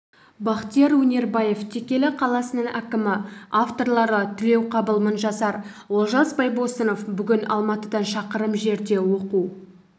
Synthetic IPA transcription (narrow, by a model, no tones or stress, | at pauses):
bɑqt̪ijɑɾwɵnʲe̞ɾbɑje̞ft̪ʰe̞kʲe̞lɪqʰɑlˠɑsənəɴʔækʲɪmɪaft̪o̞ɾlˠɑɾət̪ʰʏle̞wqʰɑbəlˠmənʒɑsɑɾ | wo̞lˠʒɑsbɑjbo̞səno̞fbʏɡʲɪnɑ̰lˠmɑt̪əd̪ɑnʃɑqəɾəmʒe̞ɾd̪e̞wo̞qu